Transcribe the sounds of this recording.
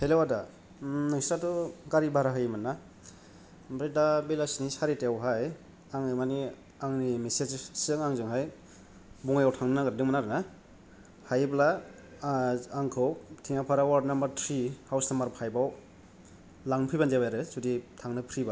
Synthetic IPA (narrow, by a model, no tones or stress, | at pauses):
helewada | nɯŋsɾatɔɡaɾibaɾaɦɯjmanːa | bɾedabelasnisaɾitewɦaj | aŋɯmani | aŋnimesed͡ʒsɯŋaŋzɯŋɦaj | buŋajawtʰaŋnnaɡaɾidɯŋmanaɾɯna | hajbla | ŋkʰɯwtʰiŋapʰaɾawaɾdnambaɾtʰɾihawsnambaɾpʰajbaw | laŋpʰijband͡ʒabajɾɯsuditʰaŋnɯpʰɾiba